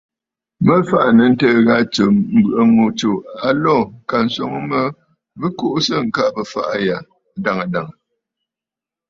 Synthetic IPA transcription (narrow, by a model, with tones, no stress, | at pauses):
mə˦fa˦ʔnə˨n̩˦təː˦ɣa˦t͡ʃə˨m̩˦bɨ˨ʔə˦mo˨t͡ʃo˨a˨lɔ˦˨ka˨n̩˨sɔ˨ŋ˦mə˦ | bɨ˦ko˦ʔsə˦˨ŋ̩˨ka˦˨bə˨fa̰˨ʔa˦ja˨ | da˨ŋə˨da˨ŋə˨